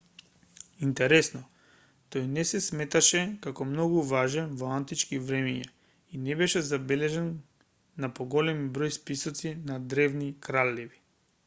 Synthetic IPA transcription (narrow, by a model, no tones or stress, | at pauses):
int̪ɛɾɛsnɔ | t̪ojnɛsɛsmɛt̪aʃɛkakɔmnɔɡuvaʒɛnvɔant̪it͡ʃkivɾɛmɛɲa | inɛbɛʃɛzabɛlɛʒɛnː | apɔɡɔlɛmibɾojspisɔt̪sinad̪ɾɛvnikɾalːɛvi